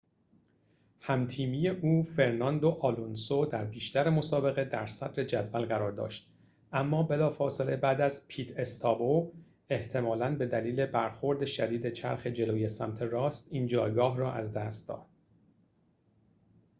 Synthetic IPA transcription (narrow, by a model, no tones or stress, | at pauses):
hæmt̪ʰiːmije̞ʔuːfe̞ɾnɒnd̪oʔɒːlunsod̪æɾbiːʃt̪æɾemo̞sɒːbe̞ɣe̞d̪æɾsæd̪ɾe̞d͡ʒæd̪vælɣæɾɒːɾd̪ɒ̰ːʃt̪̚ | ʔæmːɒːbe̞lɒːfɒːse̞lebæːd̪æzpʰiːt̪e̞st̪ʰɒːbo | e̞ht̪ʰe̞mɒːlænbe̞d̪æliːle̞bæɾxo̞ɾd̪e̞ʃæd̪iːd̪e̞t͡ʃʰæ̰ɾxe̞d͡ʒe̞loːje̞sæ̰mt̪ʰe̞ɾɒːst̪iːnd͡ʒɒːjɡɒːɦrɒːʔæzd̪æst̪̚d̪ɒ̰ːd̪̥̚